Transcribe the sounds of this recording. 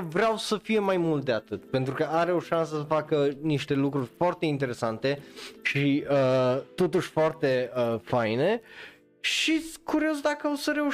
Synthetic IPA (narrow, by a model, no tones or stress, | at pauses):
vɾeawsəfije̞majmult̪̚d̪eat̪ɨt̪pe̞nt̪ɾukəʔaɾe̞oʃansəsəfakəniʃt̪e̞lukɾurʲfoart̪e̞int̪e̞ɾe̞sant̪e̞ʃiət̪o̞t̪uʃʲfoart̪e̞əfajne̞ | ʃikuɾio̞zd̪akəosəɾe̞u